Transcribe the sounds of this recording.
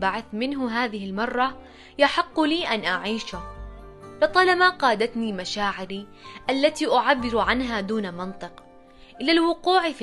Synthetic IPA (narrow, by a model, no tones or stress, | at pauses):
baʕaθmɪnɦʊɦaːðɪhɪlmɑrˤːɑ | jaħɪqːliːʔanʔaʕiːʃʊ | lɨt̪ˤɑlamaqɑːd̪at̪nimaʃaːʕɪɾi | ʔalːat̪iʔʊʕabːɪɾʕanɦad̪uːnamɪnt̪ˤɨq | ʔɪlalwʊquːʕf